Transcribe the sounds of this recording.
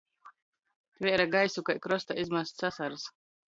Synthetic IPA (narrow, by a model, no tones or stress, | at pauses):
t̪vʲɛɾaɡajsukajkɾɔst̪aizmast̪sasaɾɨs